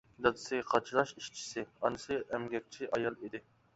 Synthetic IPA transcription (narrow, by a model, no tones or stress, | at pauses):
d̪ɑd̪ɨ̥sɨɡʲqʰɑt͡ʃʰilˠɑʃiʃt͡ʃʰi̥sɪɑ̰nɨsɨʔɛmɡʲɛk̚ʲt͡ʃʰiʔɑjɑlˠid̪ɪ